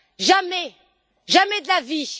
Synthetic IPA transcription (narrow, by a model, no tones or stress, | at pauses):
ʒamɛ | ʒamɛdaviʃ